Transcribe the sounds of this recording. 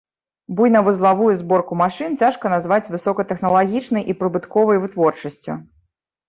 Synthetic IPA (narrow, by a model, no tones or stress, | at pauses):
bujnɐvɨzlˠavujuzbɔrkumaʂɨnt͡sʲaʂkɐnazvat͡sʲvɨsɔkɐt̪ɛxnɐlˠaɣʲit͡ʂnɐjʔipɾɨbɨt̪kɔvɐjvɨt̪vɔrt͡ʂɐsʲt͡sʲṵ